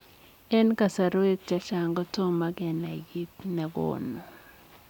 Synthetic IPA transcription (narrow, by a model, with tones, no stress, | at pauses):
ɛ˦nka˨sa˨ɾo˦e˦k̚t͡ʃa˦ʃa˨ŋɡɔ˦to˦ma˦ɡɛ˨na˨ɡi˦tnɛ˨ɡo̰˨no˨